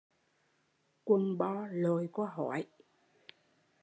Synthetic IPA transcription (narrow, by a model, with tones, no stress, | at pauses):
kwə˧˩nɓɔ˧lo˨˩jkɔ˧˦ɦɔ˧˩˦j